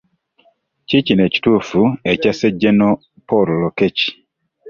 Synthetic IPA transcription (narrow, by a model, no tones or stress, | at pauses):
t͡ʃit͡ʃinɛt͡ʃi̥tufuɛt͡ʃasɛd͡ʒenɔ | pɔɾɔlɔket͡ʃi̥